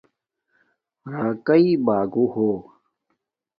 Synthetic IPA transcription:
ɾaːkɐibaːɡuhoː

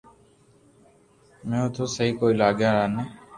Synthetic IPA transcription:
mɛ̃ːʊt̪ʰoːsəɦiːkoːiːlaːɠjaːɾaːneː

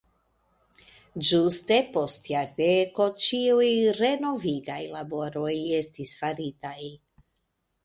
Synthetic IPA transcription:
d͡ʒuste̞po̞st̪jaɾd̪eko̞t͡ʃiujɾe̞no̞viɡajlabo̞ɾo̞jestisfaɾit̪aj

